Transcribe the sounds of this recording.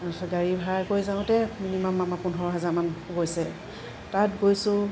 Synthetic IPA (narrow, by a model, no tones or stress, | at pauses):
ɡaɹibʱakojzaʊ̃tɛminimamːamapunɔɹɔɦazaɹmanɡojsɛ | tatɡojsʊ̃